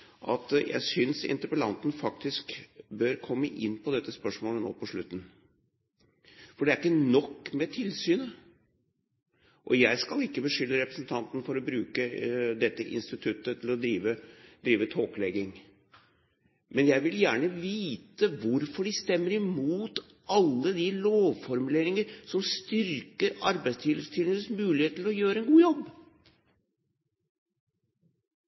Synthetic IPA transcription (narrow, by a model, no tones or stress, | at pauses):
ʔɑt̪jʔæ̰ɪsʏnsɪ̰nt̪əɾpəlɑ̰nt̪n̩fɑkt̪ɪskbœɾkʰɔmːəʔɪnːpʰɔd̪ɛt̪ːəspœʂmoːləno̰ːpʰɔʂɭʉt̪ːn | fɔɖɛæɾɪkːənɔkːmɛt̪ʰɪlsyːnə | ʔɔjæɪskɑlɪkːəbəʂʏlːəɾɛpɾəsn̩t̪ʰɑnt̪nfɔɾɔbɾʉːkəd̪ɛt̪ːəʔɪ̰nst̪ɪt̪ʰʉt̪ːət̪ʰɪlɔd̪ɾiːʋəd̪ɾiːʋət̪ʰoːklɛɡɪŋ | mɛnjæɪʋɪljæːɳəʋiːt̪əʋʊɾfɔɖɪst̪ɛmːəɾɪmuːt̪ | ʔɑlːəd̪ɪloːʋfɔɾmʉleːɾɪŋəɾsɔmst̪ʏɾkəɾɑɾbæɪst̪ʰɪləst̪ʰɪlənəsmʉːlɪheːt̪lɔjøːɾəɛnɡuːjɔbː